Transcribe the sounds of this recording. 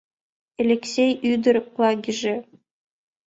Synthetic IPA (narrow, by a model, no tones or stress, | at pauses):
elʲeksʲejyd̪ɘ̆rʲplˠɑɡʲiʒĕ